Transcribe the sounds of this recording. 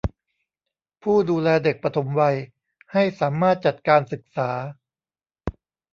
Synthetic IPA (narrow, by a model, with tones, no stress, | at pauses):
pʰuː˥˩duː˧lɛː˧de˨˩k̚pɾa˧t̪ʰo˩˦mwa˧j | ha˥˩jsaː˩˦maː˥˩t̪̚t͡ɕa˨˩t̪̚kaː˧nsɯ˨˩k̚saː˩˦